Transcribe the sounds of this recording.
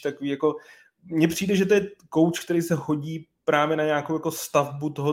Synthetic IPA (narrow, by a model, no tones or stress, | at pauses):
t̪akoviːjako̞ | mɲɛpr̥iːdɛʒɛt̪o̞jɛko̞wt͡ʃk̚t̪ɛɾisɛɦo̞ɟiːpɾaːvjɛnaɲaːkowjako̞st̪avbut̪oɦo